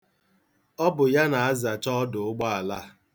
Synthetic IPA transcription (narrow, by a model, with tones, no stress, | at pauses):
ɔ˦bʊ˨ja˦na˨a˦za˨t͡ʃɔ˦dʊ˨ʊ˦ɡ͡ba˦a˨la˦